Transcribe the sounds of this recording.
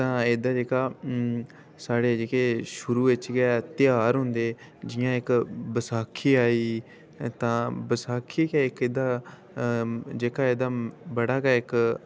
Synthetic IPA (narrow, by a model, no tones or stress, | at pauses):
t̪ãːeːd̪aːd͡ʒeːkaː | saːɽeːd͡ʒeːkeːʃʊɾuːʋɪt͡ʃɡɛːt̪ɪjaːɾɦʊnd̪eː | d͡ʒɪjãːɪkbəsaːkʰːiːaːiː | t̪ãːbəsaːkʰːiːkaːɪkeːd̪aː | d͡ʒeːkaːeːd̪aːbəɽaːɡaːɪk